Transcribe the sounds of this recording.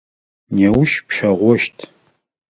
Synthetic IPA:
newʃpʃɐʁʷɔʃtʰ

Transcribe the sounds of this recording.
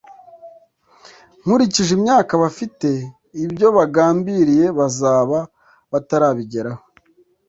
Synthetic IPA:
ŋ̥uɾiciʒimɲaːkaβafite̞ | ibɟo̞βaɡaːmbiɾije̞βazaːβa | βataɾaːβiɟe̞ɾaho

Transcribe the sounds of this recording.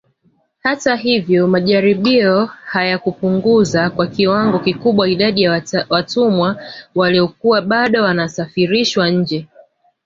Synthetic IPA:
hataɦivjɔmaʄaɾiɓiɔhajakupuŋɡuzakwakiwaŋɡɔkikuɓwaiɗaɗijawatumwawaliɔkuwaɓaɗɔwanasafiɾiʃwaɲ̩d͡ʒɛ

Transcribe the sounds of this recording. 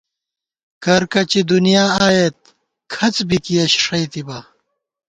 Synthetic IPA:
kɐɾkɐt͡ɕid̪unijaːaːjet̪̚ | kʰɐt͡sbikiɐɕʂɐjt̪ibɐ

